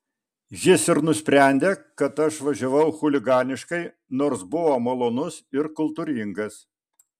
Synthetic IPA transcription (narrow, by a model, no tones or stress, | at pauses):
jʲɪsɪɾnʊsʲpʲɾʲæˑnʲd̪ʲeːkɐt̪ɐʃʋɐʒʲoʋɐʊxʊlʲɪɡɑːnʲɪʃkɐɪ | noːɾsbʊʋoːmɐlˠoːnʊsɪɾkʊlˠt̪uːɾʲɪŋɡɐs